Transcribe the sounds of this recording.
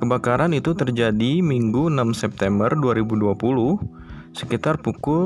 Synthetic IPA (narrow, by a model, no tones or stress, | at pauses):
kəbakaɾanit̪ut̪ərd͡ʒadimiŋɡuənamsɛp̚t̪ɛmbərduaɾibuduapulu | sə̥kit̪arpukʊ